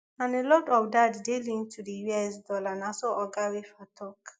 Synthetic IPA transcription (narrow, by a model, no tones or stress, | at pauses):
ãnelɔdɔfdaddelĩntʰudijɛsdɔlanasoʔɔɡawefatʰɔk